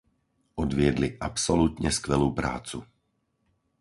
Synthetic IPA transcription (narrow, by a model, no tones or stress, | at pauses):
ʔɔd̪vɪɛd̪liʔapsolut̪ɲɛskʋɛluːpɾa̰ːt͡su